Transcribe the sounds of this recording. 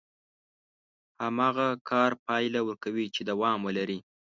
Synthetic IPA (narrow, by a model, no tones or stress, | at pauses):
hamɑɣakʰɑɾpɑjlawəɾkawit͡ʃed̪awɑmwəlaɾi